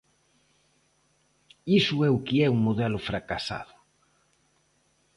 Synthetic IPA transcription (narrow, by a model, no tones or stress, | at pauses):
isʊɛʊkiɛuŋmoðɛlʊfɾakasa̰ðʊ